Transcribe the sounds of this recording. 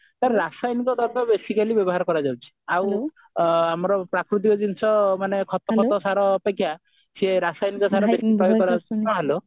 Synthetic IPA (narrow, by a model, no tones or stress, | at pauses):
t̪aɾeɾasajnikɔd̪ʱɔɾt̪abesikalibjɔbɔɦaɾkɔɾad͡ʒawt͡ʃʰi̥aw | amɔɾɔpɾakɾut̪̬ikɔd͡ʒinsɔmanekʰɔt̪ɔkɔt̪ɔsaɾɔːpekʰːja | seɾasajnikɔsaɾɔbespɾɔjoɡɔɾaaɦelo